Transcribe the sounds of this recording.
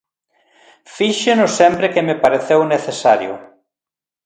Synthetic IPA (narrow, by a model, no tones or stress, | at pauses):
fiʃenʊsempɾɪkemepaɾeθewneθesaɾjʊ̰